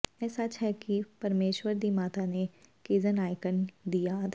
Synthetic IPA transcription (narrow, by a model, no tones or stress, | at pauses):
ɛːsat͡ʃɦɛkipɐɾmeːʃwəɾd̪imaːt̪anekeːzənaːɪkənd̪ijat̪ʰ